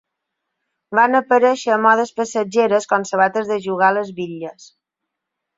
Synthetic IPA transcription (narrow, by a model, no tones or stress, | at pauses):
banəpəɾɛʃəːmɔðəspəsəd͡ʒeɾəskɔnsəβat̪əzðəʒuɣaləzβiʎəs